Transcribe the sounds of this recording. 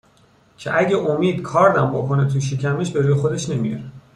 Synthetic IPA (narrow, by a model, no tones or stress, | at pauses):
cʰeʔæɟeʔomiːd̪kʰɒːɾd̪æmbokʰo̞net̪ʰuʃ̬icʰæmeʃbe̞ɾuːjexod̪e̞ʃne̞mijɒ̰ɾe